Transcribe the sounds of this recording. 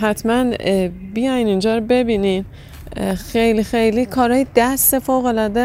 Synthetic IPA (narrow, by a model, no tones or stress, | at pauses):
ɦæt̪ʰmænbijɒjnind͡ʒɒːɾobe̞biːnin | xejlixejlikʰɒːɾɒːjed̪æst̪ːefoːɣo̞lɒːd̪e